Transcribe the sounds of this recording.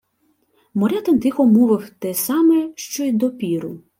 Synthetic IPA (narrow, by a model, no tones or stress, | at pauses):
mɔɾʲat̪ɐnt̪ɪxɔmɔʋɪwt̪ɛsɑmɛʃt͡ʃɔid̪ɔpʲiɾʊ